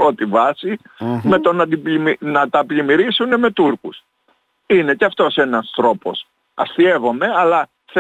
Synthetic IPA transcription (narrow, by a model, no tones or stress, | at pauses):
o̞t̪ivɐsi | me̞t̪onɐd̪iiminɐt̪ɐplimiɾisuneme̞t̪uɾkus | ine̞ceɐft̪o̞se̞nɐsθɾo̞po̞̰s | ɐsθie̞vo̞me̞ɐlɐ | θ